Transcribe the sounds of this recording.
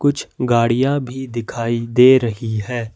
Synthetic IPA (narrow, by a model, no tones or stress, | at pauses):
kʊt͡ʃʰɡaːɽijãbʱid̪ɪkʰaːid̪eːɾɐɦiɦɛː